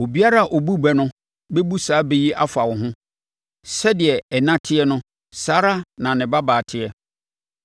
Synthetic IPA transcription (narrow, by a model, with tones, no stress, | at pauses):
o˨bi˦a˦ɾa˦˨ʔo˨bu˦bɛ˨nʊ̃˦ | be˦bu˦saː˨˦be˦ji˦ʔa̰˦fa˨wʊ˨ɦʊ̃˦ | sɛ˦dɪ˨ɛ˨ɛ˨nã˦tʰɪ˦ɛ˦nʊ̃˦ | saː˨˦ɾa˦nã˨nɪ̃˨ba˦baː˨tʰɪ˦ɛ˦